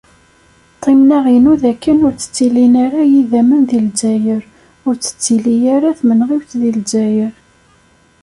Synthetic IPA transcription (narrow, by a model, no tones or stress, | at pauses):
t̪ˤːimnaʁinuðækːənʊɾt͡sːə̥t͡sːilinaɾajiðæmənðild͡ʒæjəɾ | ʊɾt͡sːə̥t͡sːilijaɾaθmənʁiwθðild͡ʒæjəɾ